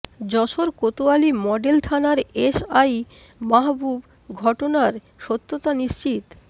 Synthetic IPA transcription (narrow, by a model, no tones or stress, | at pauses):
d͡ʑɔʃoɾkot̪oalimɔɖelt̪ʰanaɾesaj | maɦbub | ɡʱɔʈonaɾ | ʃot̪ːot̪aniʃt͡ɕit̪